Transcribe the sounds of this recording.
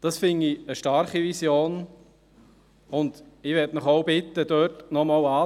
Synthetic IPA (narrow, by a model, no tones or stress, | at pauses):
d̥ɑsfɪndiəʃtɑɾχiʋisjoːn | ʊnd̪iʋɛtnəχoʊbɪt̪ːəd̥̪øːtnɔmɑwɑː